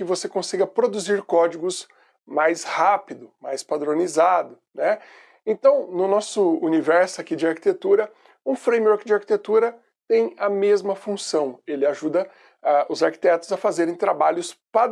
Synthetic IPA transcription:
kɪvosekõsiɡɐpɾod̪uziɾkɔd͡ʒiɡʊs | majshapid̪ʊmajspad̪ɾõnizad̪ʊnɛ | ẽt̪ɐ̃w̃nʊnɔsʊunivɛɾsʊakid͡ʒɪaɾki̥t̪et̪uɾɐ | ũfɾẽj̃mɔɾkd͡ʒɪaɾki̥t̪et̪uɾɐ | t̪ẽj̃ɐmezmɐfũsɐ̃w̃elɪaʒud̪ɐ | aʔʊzaɾki̥t̪ɛt̪ʊzɐfazeɾẽj̃t̪ɾabaʎʊspa

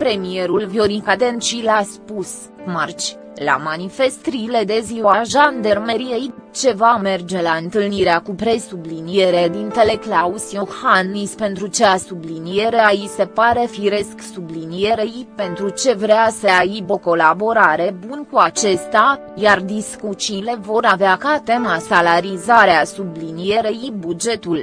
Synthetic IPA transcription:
pɾe̞mie̞ɾulvjoɾikad̪ent͡ʃilaspus | mart͡ʃʲ | la̰manife̞st̪ɾile̞d̪e̞ziwaʒand̪ermeɾijeit͡ʃe̞vame̞rd͡ʒe̞laɨnt̪ɨlniɾeakupɾe̞sublinije̞ɾed̪int̪e̞le̞klausijohanispe̞nt̪ɾut͡ʃeasublinije̞ɾeajise̞paɾe̞fiɾe̞sksublinije̞ɾejpe̞nt̪ɾut͡ʃe̞vɾeasəaiboko̞labo̞ɾaɾe̞bunkuat͡ʃe̞st̪a | jard̪iskut͡ʃile̞vo̞ɾaveakat̪e̞masalaɾizaɾeasublinije̞ɾejibud͡ʒe̞t̪ul

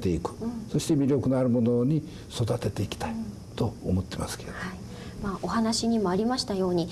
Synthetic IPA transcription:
t̪e̞ikɯ̟̥so̞ɕi̥t̪emʲiɾʲo̞kɯ̟naɾɯ̟mo̞no̞ɲ̟i | so̞d̪at̪e̞t̪e̞ikʲi̥t̪ai | t̪o̞ːmo̞t̪ːe̞ma̰sɨ̥keed̥̪ai | maːʔo̞hanaɕiɲ̟imo̞aɾʲimaɕi̥t̪ajo̞ːɲ̟i

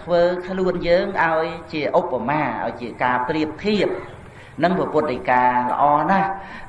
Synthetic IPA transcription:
t̪ʰʋəːkʰluənjəːŋʔaɔjt͡ɕiəʔopːamaːʔa̰ɔjt͡ɕiəkaːpriəp̚t̪ʰiəp̚ | nɨŋprɑpʊ̆t̪̚ɗəkaːlə̰̆ʔɑːnah

